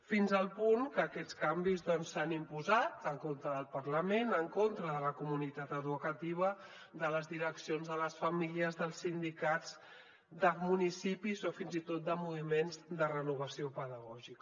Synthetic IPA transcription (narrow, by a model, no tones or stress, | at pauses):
finzəlˠpuŋkəːkɛtt͡skambizðɔnsːanimpuzat̪əŋkont̪ɾəðəlˠpəɾləmenəŋkont̪ɾəðələkumunit̪at̪əðukət̪iβ̞ə | d̪ələzðiɾəksionzðələsfəmiliəzðəlˠsːind̪ikad͡z | d̪əmunisipizofinzit̪ot̪̚d̪əmuβimenzd̪ərənuβ̞əsiopəðəɣɔʒik